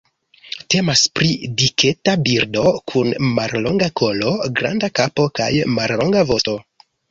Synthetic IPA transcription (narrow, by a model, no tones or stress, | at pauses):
te̞maspɾidikʰe̞tabiɾdo̞kʰunmaɾlo̞ŋɡakʰo̞lo̞ɡɾa̰ndakapo̞ka̰jmaɾlo̞ŋɡavo̞sto̞